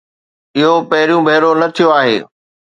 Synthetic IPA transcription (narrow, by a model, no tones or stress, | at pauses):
ɪɦopɐɦɪɾijũbʱɐɦɪɾonɐt̪ʰijoaːɦḛː